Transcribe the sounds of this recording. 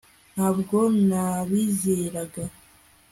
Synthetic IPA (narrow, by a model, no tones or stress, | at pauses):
nhabɡo̞mnaβiːzeɾaɡa